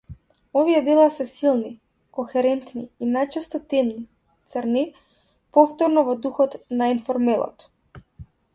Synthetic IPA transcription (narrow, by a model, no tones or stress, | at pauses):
ɔvijɛd̪ɛlˠasɛsilˠni | kɔxɛɾɛnt̪niinajt͡ʃɛst̪ɔt̪ɛmni | t̪səɾni | pɔft̪ɔɾnɔvɔd̪uxɔt̪nainfɔɾmɛlˠɔ̰t̪